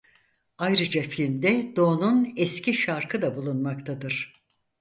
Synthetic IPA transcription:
ajɾɯd͡ʒafilʲmd̪ɛd̪o̞ːnunɛscʰiʃaɾkʰɯd̪abulˠunmakt̪ʰad̪ɯɾ̥

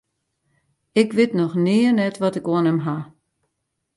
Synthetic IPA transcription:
ɪkʋɪtnɔxnɪənɛtʋɔtɪkoənɛmɦa

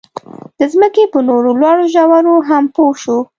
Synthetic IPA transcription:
d̪̥əzməkepənoɾolwɑɽoʒawaɾoɦampoʃu

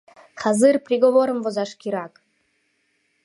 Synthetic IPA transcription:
χazɨrprʲiɡovoɾə̆mvozɑʂkʲiɾɑk

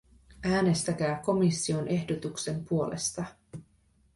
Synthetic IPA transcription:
æːne̞st̪æk̟æːko̞misːio̞nʔe̞hdo̞t̪ukse̞mpuo̞lʔe̞̰st̪ɑ

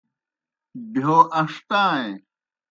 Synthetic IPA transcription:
bʱjoːʔɐʂt̪ãːẽ

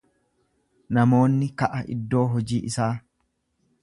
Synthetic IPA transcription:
nɐmo̞ːnːɪkɐʔɐʔɪ̰d̪ːo̞ːɦɔd͡ʒiːʔɪsaː

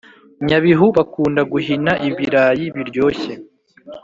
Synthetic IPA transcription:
ɲaβiɦuβakuːndaɡuɦinaʔiβiɾaːjiβiɾɟo̞ːçe̞

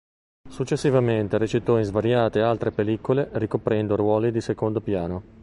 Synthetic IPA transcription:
sut͡ʃːesːivament̪eɾet͡ʃit̪ɔinzvaɾjaːt̪ealt̪ɾepelikolerikopɾɛnd̪orwɔːlid̪isekond̪opjaːno

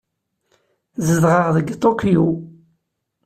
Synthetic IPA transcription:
zəðʁəʁðəɡt̪ˤːokiju

